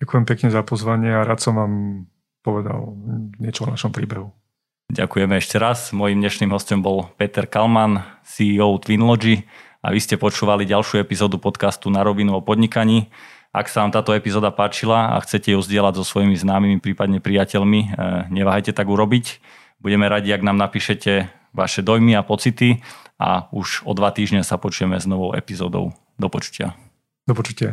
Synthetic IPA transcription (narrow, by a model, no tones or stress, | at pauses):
ɟakujɛmpɛkɲɛzapɔzʋaɲɪɛaɾaːt̪sɔmʋaːm | pɔʋɛd̪a̰lɲɪɛt͡ʃɔnaʃɔmpɾiːbɛɦu | ɟa̰kujɛmɛɛʃcɛɾazmɔjimd̪ɲɛʃniːmɦɔscɔmbɔlpɛt̪ɛɾkalmansiɔʊt̪ʋinlɔd͡ʒi | a̰ʋiscɛpɔt͡ʃuːʋaliɟalʃuɛpizɔːd̪upɔt̪kast̪unaɾɔʋinuɔpɔd̪ɲikaɲiː | ʔa̰ksaʋaːmt̪aːt̪ɔɛpizɔːd̪apaːt͡ʃilaa̰xt͡sɛcɛjuzɟɪɛlaɟzɔsʋɔjimiznaːmimipɾiːpad̪ɲɛpɾijacɛʎmiɲɛʋaːɦajcɛt̪aɡuɾɔbic | buɟɛmɛɾaɟiaɡnaːmnapiːʃɛcɛ | ʋa̰ʃɛd̪ɔjmiapɔt͡sit̪ia̰uʒɔd̪ʋat̪iːʒɲɛsapɔt͡ʃujɛmɛznɔʋɔʊʔɛ̰pizɔːd̪ɔ̰ʊ | d̪ɔpɔt͡ʃu̥cɪa̰ | d̪ɔpɔt͡ʃu̥cɪa